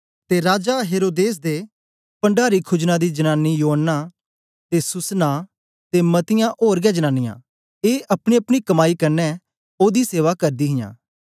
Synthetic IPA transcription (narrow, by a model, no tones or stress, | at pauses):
t̪eːɾaːd͡ʒaːɦeːɾoːd̪eːs̬d̪eː | pə̃ɳɖaːɾiːkʰʊd͡ʒnãd̪iːd͡ʒənaːnːijoːɦənːaː | t̪eːsʊsnaː | t̪emət̪ɪjãːʔoːɾɡɛːd͡ʒənaːnːɪjã̰ː | eːʔɐpɽ̃iːəpɽ̃iːkəmaːiːkəɾnɛ | oːd̪iːseːʋaːkəɾd̪iːɦɪjã̰ː